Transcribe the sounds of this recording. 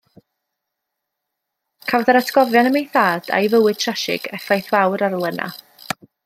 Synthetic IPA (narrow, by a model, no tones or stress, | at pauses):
kʰawðaɾatʰɡ̥ɔvjanəmejθaːd̥a̰jvəwɨd̥̚tʰraʃɪ̰ɡ̥ɛfajθvawɾaɾlˠɛnʔa̰